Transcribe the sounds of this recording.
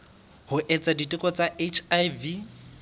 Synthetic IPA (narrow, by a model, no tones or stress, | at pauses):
hʊʔɛt͡sʼaditʼɪkʼɔt͡sʼaʔet͡ʃʰajvi